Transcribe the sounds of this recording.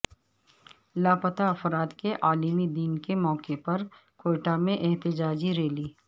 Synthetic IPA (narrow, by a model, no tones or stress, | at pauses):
laːpɐt̪aɐfɾaːd̪keʔaːlimid̪iːnkemɔːkepɐɾkoːʈamẽʔɛɦt̪ɪd͡ʒaːd͡ʒiɾeːliː